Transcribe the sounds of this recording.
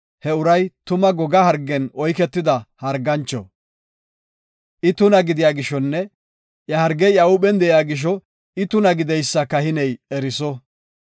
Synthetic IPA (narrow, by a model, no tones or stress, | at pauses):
hɛʊɾɐjt̪ʊmɐɡɔɡɐhɐɾɡːɛnɔjkɛt̪ːɪd̪ɐhɐɾɡɐnt͡ʃːɔ̰ | ʔɪt̪ʊnɐɡɪd̪ɪjaːɡɪʃɔnːɛ | jɐhɐɾɡɛjɐʊɓɛnd̪ɛjaːɡɪʃ̬ɔ | ɪt̪ʊnɐɡɪd̪ɛjsːɐkɐhɪnɛjɛɾɪsɔ